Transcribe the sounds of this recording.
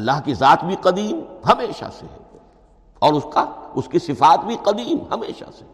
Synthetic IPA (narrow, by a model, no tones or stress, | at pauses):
ɐlːaɦkizaːt̪bʱiqɐd̪iːmɦɐmeːʃa̰sḛɛ | ɔːɾʊskaʊskisɪfaːt̪bʱiqɐd̪iːmhɐmeːʃa̰se